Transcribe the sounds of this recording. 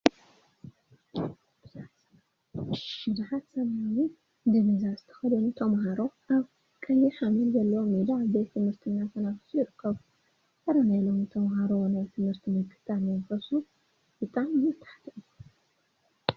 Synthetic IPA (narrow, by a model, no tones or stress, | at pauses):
bɨza | ɨzuħat̪sɐmajawi | d̪ɨmɨzazɨt̪ʰɐ̥xɐd̪ɐnut̪ʰɐmɦaɾoʔaβ | kʼɐjːiħamilzɐlːɐwomid̪abet̪ʰːɨmhɨɾt̪ʰɨnːat̪ʰɐnafɨ̥sujɪɾɨkʰːɐβu | kʰʼɐɾanajlomit̪ʰɐmɦaɾonajt̪ʰɨmhɨɾt̪ʰimɨkʰːɨ̥t̪ʰanɐnkɐsu | b̥ɨt̪ʼamjɨt̪ʰːḁħt̪ʰɐʔ